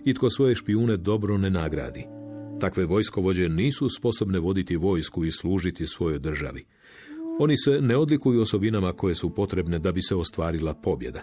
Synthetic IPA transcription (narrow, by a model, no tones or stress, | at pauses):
it̪ko̞sʋo̞je̞ʃpiuːne̞d̪o̞bɾo̞ne̞naɡɾa̰ːd̪it̪akʋe̞ʋo̞jsko̞ʋo̞d͡ʑe̞niːsuspo̞so̞bne̞ʋo̞d̪it̪iʋo̞jskuisluːʒit̪isʋo̞jo̞jd̪r̩ʒa̰ʋi | o̞nise̞ne̞o̞d̪likujuoso̞binamako̞je̞supo̞t̪ɾe̞bne̞d̪abise̞ost̪ʋaːɾilapo̞bje̞d̪a